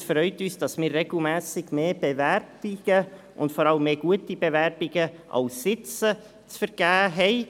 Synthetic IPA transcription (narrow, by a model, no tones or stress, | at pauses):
fɾœʏtyːsd̥ɑsmɪːrːeɡ̥l̩mɛːsɪɡ̥meːb̥evɛrbɪɡ̥ə | ʔʊntfɔɾɑləmːeːɡ̥uətib̥evɛɾbɪɡəʔɑ̰lsːɪt͡sə | t͡sfəɾɡ̥æːɦɛɪ